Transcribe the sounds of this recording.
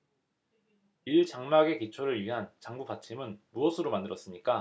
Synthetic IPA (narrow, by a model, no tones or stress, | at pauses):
iɭt͡ɕaŋmaɡe̞kit͡ɕʰoɾɯɭɥiɦant͡ɕaŋbupat͡ɕʰimɯnmuʌsʰɯɾomandɯɾʌs͈ɯmɲik͈a